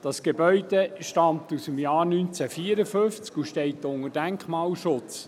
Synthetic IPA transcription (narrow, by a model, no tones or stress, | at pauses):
d̥ɑsɡ̥ebœʏd̥̪eʃtɑmt̪usəmjɑːɾnynt͡sæfiəɾəfɵft͡skuʃtɛɪtːʊŋədæŋkχmɑːlʃʊt͡s